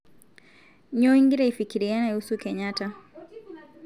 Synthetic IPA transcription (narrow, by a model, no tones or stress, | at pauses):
ɲɔiŋɡiɾaifikiɾianahusukɛɲata